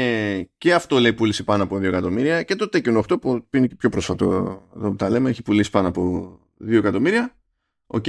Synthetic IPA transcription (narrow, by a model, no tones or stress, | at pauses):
ce̞ɐft̪o̞le̞ipulisipɐnoɐpo̞ðioekɐt̪o̞miɾiɐce̞t̪o̞t̪e̞conoxt̪opupuineepço̞pɾosfɐt̪o̰ɐðoput̪ɐle̞meeçi̥pulisi̥pɐnoɐpo̞ | ðio̞ekɐt̪o̞miɾiɐ | o̞̰c